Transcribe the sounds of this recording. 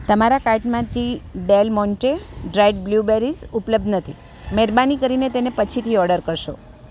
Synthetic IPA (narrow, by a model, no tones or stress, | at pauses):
t̪əmaɾakaɾʈmãt̪iɖelmɔnʈeɖɾajɖ̚blubeɾisupləb̚d̪nət̪ʰi | meɾbanikəɾinet̪enepət͡ʃʰit̪ʰiɔɽəɾkəɾʃo̰